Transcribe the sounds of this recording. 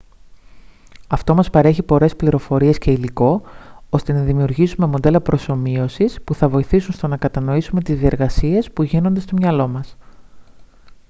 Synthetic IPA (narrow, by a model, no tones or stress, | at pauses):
ɐft̪o̞mɐspɐɾe̞çipo̞ɾe̞spliɾo̞fo̞ɾie̞sce̞iliko̞ost̪e̞nɐðimiuɾʝisume̞mod̪e̞lɐpɾo̞so̞mio̞sispuθɐvo̞iθisunst̪o̞nɐkɐt̪ɐno̞isume̞t̪izðie̞ɾɣɐsie̞spuʝinond̪e̞st̪o̞mɲɐlo̞mɐs